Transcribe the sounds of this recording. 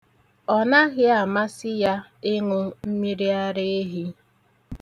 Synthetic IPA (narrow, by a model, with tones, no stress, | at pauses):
ɔ˨na˦ɣɪ˦a˨ma˦sɪ˦ja˦ɪ˦ŋʊ˦m̩˦mi˦ɾi˦a˦ɾɪ˦e˦ɦi˦